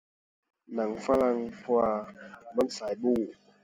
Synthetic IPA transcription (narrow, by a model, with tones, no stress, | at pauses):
na˨˦ŋfa˦la˧ŋpʰu˧a˧˨ma˦nsaː˨˦jbuː˧˩